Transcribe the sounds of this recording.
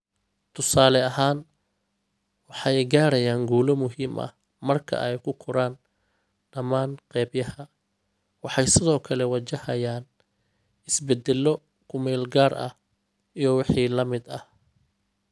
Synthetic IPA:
t̪ʰʊsaːlɛɐɦaːn | wɑħɑjɡaːɾɐjaːŋɡuːlɔmʊɦiːmʔɐ̰h | mɐrkʰɐ̰ʔɛjkʰʊkʰʊɾaːn | ɖ̥ɐmaːnqɛːbjɐhɐ | wɑħɑjsɪðɔːkʰɐlɛwɐt͡ʃɐhɐjaːn | ɪsbɛd̪ɛlːɔ | kʰʊmɛːlɡaːrɐ̰h | ijɞwɑħiːlɐmɪd̪ɐh

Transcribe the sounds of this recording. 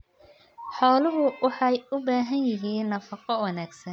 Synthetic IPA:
ħɔːlʊɦʊwɑħɑjʊbaːɦɐnjɪɦiːnːɐfɑqɔwɑnaːɡsɐn

